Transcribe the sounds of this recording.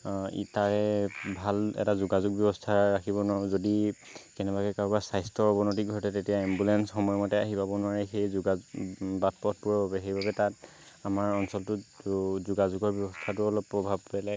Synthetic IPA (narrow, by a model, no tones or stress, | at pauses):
ḭtaɹɛbʱalɛ̰tazuɡazʊɡ̚bjɔbɔstʰaɹakʰibɔnzodikɛnɛbakɛkaɹbasajstʰɔbɔnɔtiɡʱɔɹtɛtetijaɛmbulɛnsxɔmɔjɔmɔtɛaɦipabɔnʊaɹɛxejzʊɡabat̚pɔt̚pʊɹɔbabɛxejbʱabɛtat̚ | amaɹɔnsɔltʊzʊɡazʊɡɔɹbjɔbɔstʰatʊɔlɔpːɹɔbʱab̚pɛlɛ